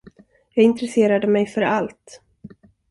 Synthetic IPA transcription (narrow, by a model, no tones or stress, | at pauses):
jɑːɡɪnt̪ɾɛseːɾad̪əmɛjfœɾalt̪